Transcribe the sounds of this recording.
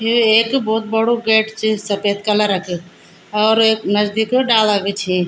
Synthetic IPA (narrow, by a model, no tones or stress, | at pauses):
iekbɔːt̪̚bəɽoɡeʈʰt͡ʃʰisəpet̪kələɾəkʰe | ɔːɾeknəd͡ʒd̪ikeɖaləɡet͡ʃʰi